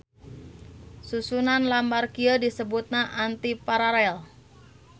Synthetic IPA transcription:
susunanlambarkiədisəbut̪̚naʔant̪ipaɾaɾɛl

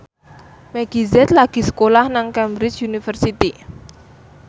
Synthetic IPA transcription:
mɛɡ̥izɛt̪laɡ̥i̤sə̥kolahnaŋkɛmbɾɪt͡ʃunifərsit̪i

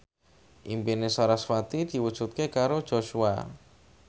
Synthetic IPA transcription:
ʔimpinesɔɾasfat̪id̪̥i̤wud̥ʒ̥ut̪̚kekaɾod̥ʒ̥oʃua̰

